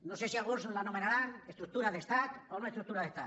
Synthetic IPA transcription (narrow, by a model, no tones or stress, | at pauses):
nosesiaɣuslanomenaɾanest̪ɾuk̚t̪uɾaðest̪ak̪omaest̪ɾuk̚t̪uɾaðest̪a